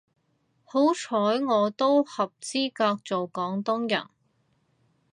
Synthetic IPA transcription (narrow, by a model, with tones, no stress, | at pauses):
ho˨˥wt͡ʃʰɔː˨˥jŋɔː˨˧t̪o˥whɐ˨p̚t͡siː˥kaː˧k̚t͡so˨wkɔː˨˥ŋt̪ʊ˥ŋjɐ̰˨˩n